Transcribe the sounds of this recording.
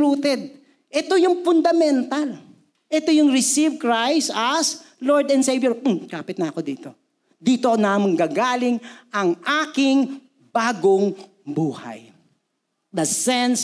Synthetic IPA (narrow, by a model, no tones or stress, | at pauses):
uːt̪ɛd̪̚ | ʔɛt̪ojʊŋpʊnd̪ɐmɛnt̪al | ʔɛt̪ojʊŋɹɪsivkɹajst̪ɐsloɹd̪ɛnd̪sejbjoɹ̩kaːpɪt̪nɐʔɐko̞d̪iːt̪o̞ | d̪iːt̪onɐʔɐmɐŋɡaːɡaːlɪŋʔɐŋʔaːkɪŋ | baːɡoŋ | buːha̰j | d̪ɐsɛns